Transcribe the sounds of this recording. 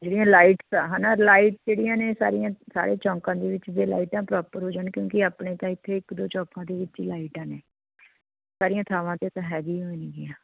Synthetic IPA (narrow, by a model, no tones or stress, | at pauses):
d͡ʒeːɽijãːlaːiːʈsaɦɛːnaːlaːiːʈd͡ʒeːɽijãːneːsa̰ːɾijãːsa̰ːɾeːt͡ʃɔ̃ːŋkãːd̪eːʋɪt͡ʃdeːla̰ːiːʈãːpɾɔːpəɾɦoːd͡ʒaːnkjõːkɪaːpɳeːt̪ãːɪt̪ʰːeːɪkd̪oːt͡ʃɔ̃ːkãːd̪eːʋɪt͡ʃilaːiʈãːneː | saːɾijãːt̪ʰaːʋãːt̪eːt̪ãːɦɛːɡiːɦoːniːɡɪjãː